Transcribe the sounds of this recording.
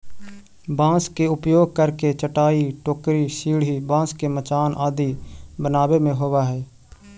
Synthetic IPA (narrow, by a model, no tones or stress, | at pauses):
bãːskeʊpjoːɡ̚kəɾket͡ʃəʈaːiʈoːkɾisiːɽɦibãːskemət͡ʃaːnʔaːd̪ibənaːwemẽɦoːwaɦɛː